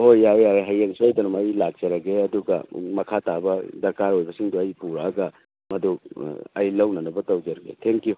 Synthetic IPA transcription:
ɦojajaɦɐjeŋsuajdɐnumɐjlak̚d͡ʒ̥ɐɾɐɡeɐduɡɐ̰mɐkʰatabɐdɐɾkaɾojbɐsiŋduɐjpuɾaːɡɐ | mɐduɐjlɐwnɐnɐbɐtɐwd͡ʒɐɾɐɡḛtʰeŋki

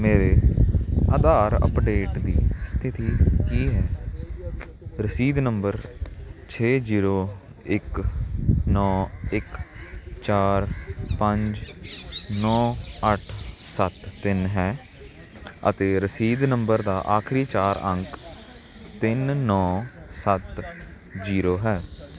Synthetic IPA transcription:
meːɾeː | aːd̪aːɾə̰pɖeːʈd̪ḭːst̪ʰɪt̪iːkiːɦɛː | ɾəsiːd̪nəmbəɾt͡ʃʰeːziːɾoː | ɪk | nɔːɪk | t͡ʃaːɾpəɲd͡ʒ | nɔːəʈʰsət̪ːɪnɦɛː | ə̰t̪eːɾəsiːd̪nəmbəɾd̪aːʔaːkʰɾiːt͡ʃaːɾə̃ŋk | t̪ɪnːɔːsət̪ | ziːɾoːɦɛː

